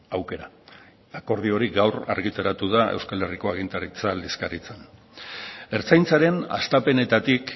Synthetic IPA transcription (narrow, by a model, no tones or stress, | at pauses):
awke̞ɾa | ako̞ɾð̞io̞ɾiɡawra̰ɾɣit̪aɾat̪uðaʔe̞̰wskale̞riko̞aɣ̞int̪aɾit͡saliskaɾit͡san | e̞ɾt͡sajnt͡saɾe̞na̰st̪ape̞ne̞t̪at̪ik